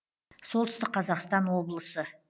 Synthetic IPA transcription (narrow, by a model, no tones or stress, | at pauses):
so̞lˠt̪ʏst̪ɪqːʰɑzɑqst̪ɑnwo̞blˠəsə